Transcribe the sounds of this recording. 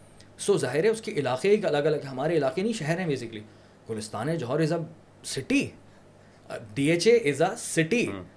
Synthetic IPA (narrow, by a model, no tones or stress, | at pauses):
soːzaːɦɪɾɦɛ̃ʊskeʔɪlaːqeikɐləɡɐləɡɦɛ̃ɦɐmaːɾeɪlaːqenɐĩʃɛɦɛɾɦɛ̃beːsɪkli | ɡ̥ʊlɪst̪a̰ːnɦɛ̃d͡ʒɔɦɔːɾɪza | sɪʈi | ɖiːeːt͡ʃeʔɪzasɪʈi